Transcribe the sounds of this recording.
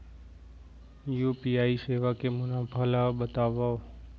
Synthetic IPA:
juːpiːaːiseːʋaːkemʊnãːbʱalaɓət̪aːʋao

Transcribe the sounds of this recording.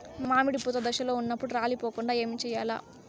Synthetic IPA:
mmaːmiɽiput̪ɐd̪ɐʃɐlo̞ːunːɐpːuɽuɾaːlipoːkuɳɖaːe̞ːmit͡ʃɛːjaːla̰ː

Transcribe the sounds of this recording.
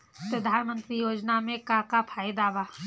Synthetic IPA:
pɾɐd̪ʱaːnmə̃nt̪ɾijoːd͡ʒnamẽkakapʰaːjd̪aːʋaː

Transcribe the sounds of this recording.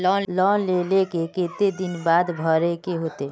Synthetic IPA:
lɔlɔnlelekekeːt̪ed̪ɪnbaːd̪bʱəɾekeɦot̪eː

